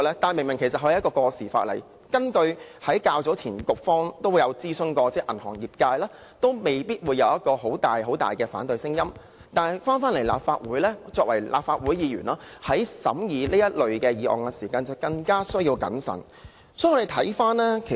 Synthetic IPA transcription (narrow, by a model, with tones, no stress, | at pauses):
lɛː˥t̪aː˨˩mɪ˨˩ŋmɪ˨˩ŋkʰe˨˩sɐt̚ɦɔ˨˧˥kɔː˧kɔː˧siː˨˩fa̰ː˧t̚lɐ̰˨˩j | kɐ˥nkɵ˧ɥhɐ˨˥jkaː˧wt͡sɔː˨˥t͡sʰiː˨˩nkʊ˨k̚fɔː˥ŋt̪o˥wu˨˧jɐ˨˧wt͡siː˥sɵ˥ŋkɔː˧t͡sɛː˥ʔɐ˨˩nhɔ̰ː˨˩ŋjiː˨p̚kaː˧jlɛː˥ | t̪o˥wme˨˩jpiː˥t̚wuː˨˧jɐ˨˧wjɐ˥t̚kɔː˧ɦo˨˥wt̪aː˨jɦo˨˥wt̪a̰ː˨jkɛː˧faː˨˥nt̪ɵ˧ɥsɪ˥ŋjɐ˥m | t̪aː˨njfaː˥nfaː˥nlɐ˨˩jla̰ː˨p̚faː˧t̚wuː˨˥jlɛː˥t͡sɔː˧k̚wɐ˨˩jlʔaː˨p̚faː˧wuː˨˥jjiː˨˧jy̰ː˨˩nlaː˥hɐ˨˥jsɐ˨˥mjiː˨˧liː˥jɐ˥t̚lɵ˨ɥkɛː˧jiː˨˥ʔɔ̰ː˨˩ŋkɛ˧siː˨˩kaː˧nt͡sɐ˨˩wkɐ˧ŋkaː˥sɵ˥ɥjiː˧wkɐ̰˨˥nsɐ̰˨˩n | sɔː˨˥jɔ˨˧e˨˩t̪ʰɐ˨˥jfaː˥nlɛː˥kʰe˨˩